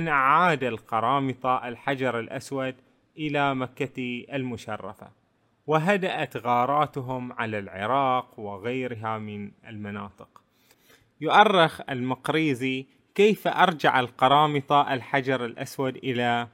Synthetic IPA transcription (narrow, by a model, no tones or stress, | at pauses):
ʔnʔaʕaːd̪alqɑɾˤɑːmɨt̪ˤɑʔalħad͡ʒɑɾˤalʔaswad̪ | ʔɪlamakːaiʔalmʊʃɑrˤːɑ̰fa̰ | wɪɦad̪aʔat̪ɣɑːɾˤɑːt̪ɦʊmʕalalʕɪ̰ɾˤɑːqwɪɣajɾɪɦamɪnɪlmanɑːt̪ˤɨq | jʊʔɑrˤːɪxalmɑqɾiːzi | kejfaʔɑɾˤd͡ʒaʕalqɑɾˤɑːmɨt̪ˤɑʔalħad͡ʒɑɾˤalʔaswad̪ʔɪla